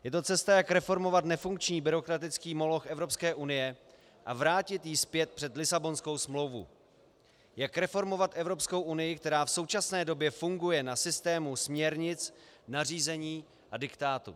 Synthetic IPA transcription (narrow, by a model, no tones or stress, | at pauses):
jɛt̪o̞t͡sɛst̪ajakɾɛfo̞ɾmo̞vat̪nɛfuŋk̚t͡ʃɲiːbɪɾo̞kɾat̪ɪt͡skiːmo̞lo̞xʔɛvɾo̞pskɛːʔunɪjɛ | ʔavɾaːcɪt̪jiːspjɛt̪̚pr̥ɛt̪lɪsabo̞nsko̞wsmlo̞wvṵ | jakɾɛfo̞ɾmo̞vat̪ʔɛvɾo̞psko̞wʔunɪjɪk̚t̪ɛɾaːfso̞wt͡ʃasnɛːdo̞bjɛfuŋɡujɛnasɪst̪ɛːmusmɲɛɾɲɪt͡snariːzɛɲiː | ʔadɪkt̪aːt̪ṵ